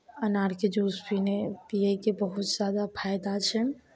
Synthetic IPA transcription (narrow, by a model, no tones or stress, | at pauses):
ənaɾked͡ʒuspinet̪ijəkebəɦut̪zad̪apʰajd̪at͡ʃʰən